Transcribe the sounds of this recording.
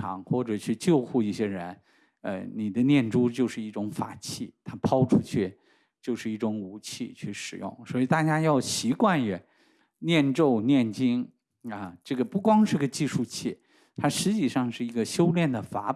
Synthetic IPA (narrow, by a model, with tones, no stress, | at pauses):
ɑ̰˧˥˦ŋxwɔ˥˩ʈ͡ʂɤ˨˩t͡ɕʰy˥˧t͡ɕjo˥˧ʊxu˥˧i˥˩ɕjɛ˥ɻə˧˥n | ə̰˧ni˨˩d̪ə˦njɛ˥˩nʈ͡ʂu˥t͡ɕjo˥˧ʊʂɻ̩˥˧i˥˩ʈ͡ʂʊ˧˥ŋfa̰˨˩t͡ɕʰi˥˩t̪ʰa˥pʰɑ˥ʊʈ͡ʂʰu˥t͡ɕʰy˥˩ | t͡ɕjo˥˧ʊʂɻ̩˥˧i˥˩ʈ͡ʂʊ˧˥ŋu˧˥t͡ɕʰi˥˧t͡ɕʰy˥˩ʂɻ̩˨˩jʊ̰˥˩ŋswɔ˧˥i˨˩t̪a˥˩t͡ɕja˥jɑ˥˩ʊɕi˧˥kwa˥˩nɛ˨˩˦ | njɛ˥˧nʈ͡ʂo˥˧ʊnjɛ˥˩nt͡ɕi˥ŋ | ə˧ʈ͡ʂɤ˥˩ɡə˩pu˥˩kwɑ˥ŋʂɻ̩˥˩˧ɡə˧t͡ɕi˥˧ʂu˥˧t͡ɕʰi˥˩ | t̪ʰa˥ʂɻ̩˧˥t͡ɕi˥˩ʂɑ˥˧ŋʂɻ̩˥˩i˧˥ɡə˧ɕjo˥ʊljɛ˥˩nd̪ə˩fa˧˥